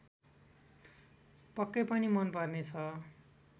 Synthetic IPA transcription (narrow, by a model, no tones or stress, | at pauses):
pʌkːepʌnimʌnpʌrnet͡sʰʌ